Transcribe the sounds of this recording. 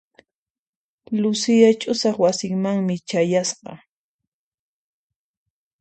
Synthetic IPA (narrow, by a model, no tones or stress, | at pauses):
lʊsɪjat͡ʃʼʊsɑχwasɪŋmaŋmɪt͡ʃajasqɑ̰